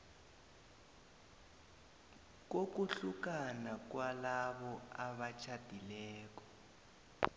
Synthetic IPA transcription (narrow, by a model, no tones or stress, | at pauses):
k̬ok̬uɬukanak̬walaβɔaβat͡ʃʰad̥ʱilɛːk̬ɔ̥